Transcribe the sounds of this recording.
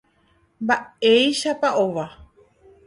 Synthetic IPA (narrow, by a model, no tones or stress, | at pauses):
mbaejʃapaoʋa